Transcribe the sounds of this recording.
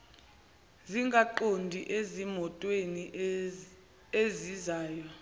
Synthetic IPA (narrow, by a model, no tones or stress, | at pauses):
ziŋɡʱaǃondʱiʔezimɔtʼweni | ezizaːjɔ